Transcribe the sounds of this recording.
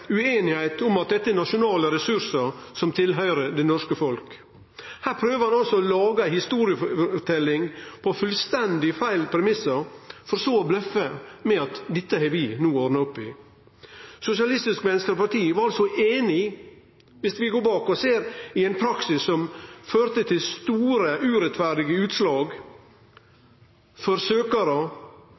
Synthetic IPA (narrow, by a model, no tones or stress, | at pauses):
ʉeːnɪhæɪt̪ʊmɑt̪̚d̪ɛt̪ːəɛnɑʃʊnɑːləɾɛsʉɾsəɾsɔmt̪ʰɪlɦœʏɾəd̪ɛnɔʂkəfɔlk | hæːɾpʰɾøːʋəɾhɑnɑlsɔɔlɑːɡəæɪhɪst̪uːɾɪəfɔʈʰɛlːɪŋpʰɔfʉlst̪ɛnd̪ɪfæɪlpʰɾɛmɪsəɾfɔɾsoːɔblœfəmɛɑt̪d̪ɛt̪ːəhɛʋɪnuːɔɾnɑʊpːɪ | sʊsɪɑlɪst̪ɪskmɛnəskəɾɔpɑʈ̪iːʋɑɾɑlsɔʔeːnɪ | ʋɪsʋɪɡoːbɑːkɔseːɾɪɛɪnpʰɾɑksɪsːɔmføːɾt̪ət̪ʰɪlst̪uːɾəʔʉːɾɛt̪fæɾɖɪɡəʉːt̪slɑːɡ | fɔɾsøːkɑɾə